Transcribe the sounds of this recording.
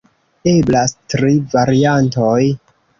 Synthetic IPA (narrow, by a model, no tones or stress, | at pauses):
e̞blastɾivaɾianto̞j